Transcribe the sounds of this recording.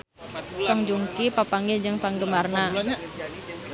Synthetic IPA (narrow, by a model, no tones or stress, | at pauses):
sɔŋd͡ʒuŋkipapaŋɪɲd͡ʒəŋpaŋɡəmarna